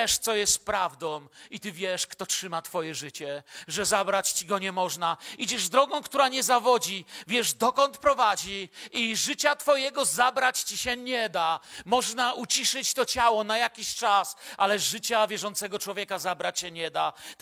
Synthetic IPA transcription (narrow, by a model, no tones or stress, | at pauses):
ɛʂt̪sɔjɛst̪pɾavd̪ɔ̃w̃it̪ɘvʲjɛʂkt̪ɔtʂɘmat̪fɔjɛʐɘt͡ɕɛʐɛzabɾat͡ɕt͡ɕiɡɔɲɛmɔʐnaid͡ʑɛʐd̪ɾɔɡɔ̃w̃kt̪uɾaɲɛzavɔd͡ʑivʲjɛʐd̪ɔkɔnt̪pɾɔvad͡ʑiiʐɨt͡ɕat̪fɔjɛɡɔzabɾat͡ɕt͡ɕiɕɛɲɛd̪amɔʐnaut͡ɕiʂɘt͡ɕt̪ɔt͡ɕawɔnajakʲiɕt͡ʂasʔalɛʐɘt͡ɕavʲjɛʐɔnt̪sɛɡɔt͡ʂwɔvʲjɛkazabɾat͡ɕɕɛɲɛd̪a